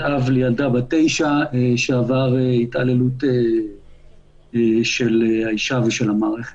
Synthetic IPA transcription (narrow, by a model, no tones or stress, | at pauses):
avlejald̪abate̞jʃaeʃeavaʁeitalelute | ʃeleaiʃaveʃe̞lhamaːʁe̞χet